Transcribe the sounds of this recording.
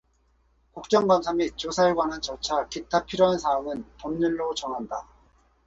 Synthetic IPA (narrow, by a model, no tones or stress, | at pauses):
kuk̚t͡ɕ͈ʌŋɡwansʰamit͡ɕosʰaeɭɡwanant͡ɕʌt͡ɕʰakitʰapʰiɾjoɦansʰaːmɯntʌmɲiɭːot͡ɕʌŋɦanda